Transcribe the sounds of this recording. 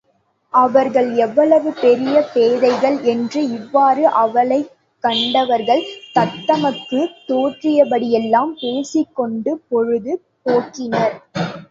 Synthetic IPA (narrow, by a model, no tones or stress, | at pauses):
ɐʋɐɾɣɐɭɛʋːɐɭɐʋɯpɛɾɪjɐpeːðɐɪɣɐɭɛndrɯɪʋːaːɾɯʔɐʋɐɭɐɪ | kːɐɳɖɐʋɐɾɣɐɭt̪ɐt̪ːɐmɐkːɯt̪oːʈrɪjɐpɐɽɪjɛlːaːmpeːsɪkːɔɳɖɯpɔɻɯðɯ | poːkːɪnɐɾ